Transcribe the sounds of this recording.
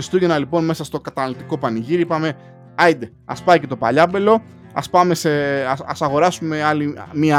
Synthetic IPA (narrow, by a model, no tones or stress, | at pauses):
ist̪uʝenɐlipo̞nme̞sɐst̪o̞kɐt̪ɐnɐlot̪iko̞pɐniʝiɾipɐme̞ | ɐjd̪e | ɐ̰spɐice̞t̪o̞pɐʎɐbe̞lo̞ | ɐ̰spɐme̞seɐsɐɣo̞ɾɐsume̞ɐlimiɐ